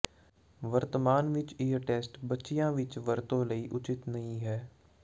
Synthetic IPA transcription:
ʋəɾt̪əmaːnʋɪt͡ʃiːəɾʈɛːsʈbətːʃijãːʋɪt͡ʃʋəɾt̪õːləiːʔʊt͡ʃɪt̪nəĩːɦɛː

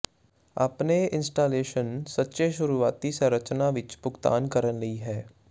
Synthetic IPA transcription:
ɐ̰pneɪ̃nsʈaːleːʃənsɐtːʃeʃʊɾuaːt̪iseɾɐt͡ʃnaʋɪt͡ʃpʊkt̪a̰ːnkɐɾənlɐiɦɛː

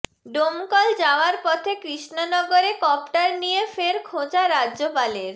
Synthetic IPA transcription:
ɖomkɔld͡ʑaoaɾpɔt̪ʰekɾiʃnonɔɡoɾekɔp̚ʈaɾnijefeɾkʰõd͡ʑaɾadːʑopaleɾ

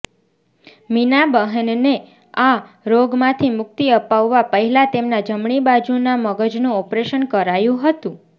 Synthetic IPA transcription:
minabəɦənne | a | ɾoɡmãt̪ʰimʊk̚t̪iəpaʋːapəɦilat̪emnad͡ʒəmɳibad͡ʒunaməɡəd͡ʒnũɔpɾeʃənkəɾajũɦət̪ũ

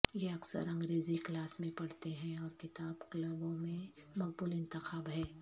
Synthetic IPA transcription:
jeɐksə̰ɾɐ̃ŋɡɾeːziklaːsmẽpɐɽt̪eɦɛ̃ɔːɾkɪt̪aːbklɐbõmẽmɐk̚bʊlɪ̃nt̪ɪxaːbɦɛ̃ː

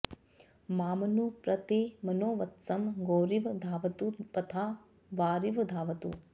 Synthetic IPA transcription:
maːmɐnupɾɐt̪emɐnoːʋɐt̪sɐmɡoːɾiʋd̪ʱaːʋɐt̪upɐt̪ʰaː | ʋaːɾiʋd̪ʱaːʋɐt̪ṵ

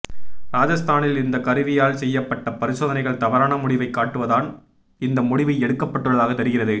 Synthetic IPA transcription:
ɾaːd͡ʒɐst̪ʰaːnɪlɪnd̪ɐkɐɾɯʋɪjaːlsɛjːɐpːɐʈːɐpɐɾɪsoːðɐnɐɪɣɐɭt̪ɐʋɐɾaːnɐmʊɽɪʋɐɪkːaːʈːɯʋɐðaːn | ɪnd̪ɐmʊɽɪʋɐɛɽɯkːɐpːɐʈːɯɽɐðaːɣɐt̪ːɐɾɯɣɪrɐðɯ

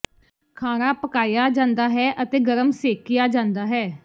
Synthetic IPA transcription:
kʰaːnaːpəkaːjaːd͡ʒãːnd̪aːɦɛːʔət̪eːɡəɾəmseːkːɪjaːd͡ʒãːnd̪aːɦɛː

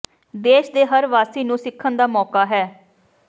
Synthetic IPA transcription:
d̪eːʃd̪eːɦəɾʋaːsiːnũːsɪkʰːənd̪aːmɔːkaːɦɛː

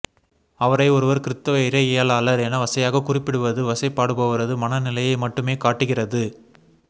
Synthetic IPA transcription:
ɐʋɐɾɐɪɔɾɯʋɐɾkɪɾɪt̪ːɐʋɐɪɾɐejɐlaːlɐɾɛnɐʋɐsɐjaːɣɐkʊrɪpːɪɽɯʋɐðɯʋɐsɐɪpːaːɽɯpoːɣɪɾɐðɯmɐnɐnɪlɐjɐɪmɐʈːɯmeːkaːʈːɯɣɪrɐðɯ

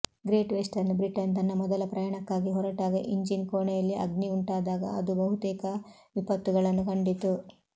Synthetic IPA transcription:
ɡɾeːʈʋesʈɐɾnːubɾiʈɐnt̪ɐnːɐmɔd̪ɐlɐpɾɐjaːɳɐkːaːɡiɦɔɾɐʈaːɡiʔiɲd͡ʒinkoːɳɛjɐlːiʔɐ̰ɡniuɳʈaːd̪aːɡɐ̰ɐd̪ubɐɦut̪ɛːkɐ | ʋipɐt̪ːuɡɐɭɐnːukɐɳɖit̪u

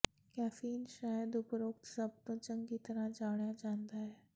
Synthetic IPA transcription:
kæfiːnʃajəd̪upɾok̚t̪səb̚nət͡ɕəŋɡiːt̪ɾãd͡zaʋɳjad͡ʑãnd̪a

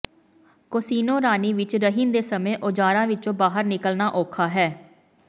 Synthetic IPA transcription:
kosiːnõːɾaːniːʋɪt͡ʃɾəɦɪnd̪eːsəmẽːʔod͡ʒaːɾãːʋɪt͡ʃõːbaːɦəɾnɪkəlnaːʔoːkʰaːɦɛː

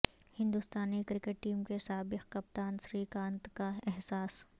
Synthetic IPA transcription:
hɪ̃nd̪ust̪aːnikɾɪkeʈ̚ːiːmkesaːbɪqkɐp̚t̪aːnsɾikãːnt̪kaɛɦsaːs

